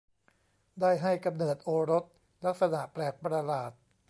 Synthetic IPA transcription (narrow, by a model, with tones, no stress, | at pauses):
daː˥˩jɦa˥˩jka˧mnɤː˨˩t̪̚ʔoː˧ɾo˦˥t̪̚ | la˦˥k̚sa˧na˨˩ʔpɾɛː˨˩k̚pɾa˧laː˨˩t̪̚